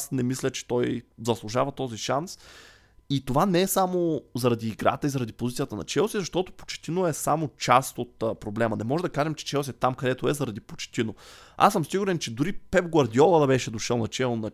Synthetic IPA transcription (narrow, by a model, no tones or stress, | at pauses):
snɛmislʲət͡ʃɛ̥t̪ɔjzɐslˠuʒavɐt̪ɔziʃans | it̪ovanɛɛsamozɐɾɐd̪iːɡɾa̰t̪əizɐɾɐd̪ipozit̪sijət̪ənɐ̰t͡ʃɛlˠsizɐʃt̪ɔt̪o̥po̥t͡ʃɛ̥t̪inoɛsamot͡ʃast̪ot̪ːpɾoblɛmɐnɛmɔʒɛd̪ɐkaʒɛmt͡ʃɛ̥t͡ʃɛlˠsʲiɛt̪amkɐd̪ɛt̪oɛzɐɾɐd̪ipo̥t͡ʃɛ̥t̪inoa̰səmsiɡʊɾɛnt͡ʃɛd̪ʊɾipɛvɡɐɾd̪iɔlˠəd̪ɐbɛʃɛd̪oʃɛlˠnɐt͡ʃɛlˠnɐ